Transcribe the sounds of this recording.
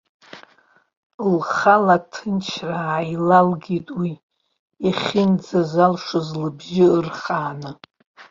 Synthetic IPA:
lχalatʰɨnt͡ʃʰraːjlalɡʲitʼwi | iχʲind͡zazalʂɨzlɨbʒɪɨrχaːnɨ

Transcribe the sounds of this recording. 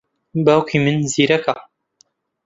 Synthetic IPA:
bawkʰimɨnziːɾɐka

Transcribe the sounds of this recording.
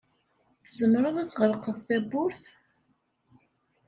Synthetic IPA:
θəzəmɾəðˤæt͡sːʁəɾqəðθæbʊɾθ

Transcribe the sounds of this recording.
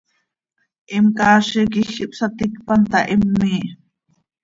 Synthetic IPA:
ʔimkaːʃik̬ixiʔpsat̪ikpɑnt̪ɑʔimːi

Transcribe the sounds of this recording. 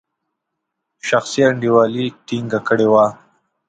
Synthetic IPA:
ʃaxsiaɳɖiwɑːliʈiŋɡakəɽewa

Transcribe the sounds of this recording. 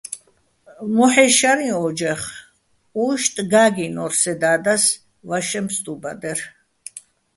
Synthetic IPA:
mɔħɛʃaɾiɔd͡ʒɛχ | uʃt̪ʼɡaːɡinɔɾsɛd̪aːd̪as | vaʃɛmst̪ʼuba̰d̪ɛɾ

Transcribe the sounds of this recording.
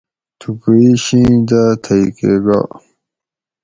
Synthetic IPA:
t̪ʰukeiɕĩd̪at̪ʰaikeɡa̰

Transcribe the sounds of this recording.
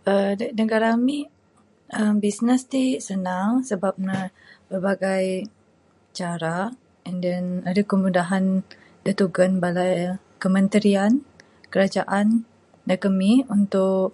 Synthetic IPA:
ədanəɡaɾami | əmbisnəst̪isənaŋsəbap̚nab̥ərbaɡaj | t͡ʃaɾa | dənadakəmudaɦan | dət̪uɡənbalaj | kəmə̃nt̪əɾian | kəɾad͡ʒaʔan | dakəmiunt̪ʊʔ

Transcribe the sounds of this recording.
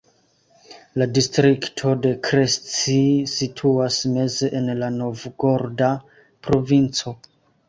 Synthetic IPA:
ladistɾiktʰo̞de̞kɾest͡sisitʰuasme̞zeʔenlano̞vɡo̞ɾda | pɾo̞vint͡so̞

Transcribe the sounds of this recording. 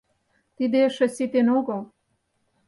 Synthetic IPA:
t̪id̪eʃə̆sit̪enoɡo

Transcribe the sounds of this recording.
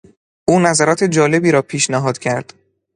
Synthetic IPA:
ʔuːnæzæɾɒːt̪ʰe̞d͡ʒɒːle̞biːɾɒːpʰiːʃnæɦɒːd̪̥cʰæɾd̪̥

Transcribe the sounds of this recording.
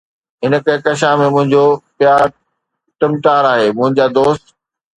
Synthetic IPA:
ɦɪnəkẽkɐʃ̬ãmẽmʊ̃ɦɪ̃ɲd͡ʑopjaːɾ | ʈɪmʈaːɾaːɦeːmʊ̃ɦɪ̃ɲd͡ʑaːd̪oːst̪

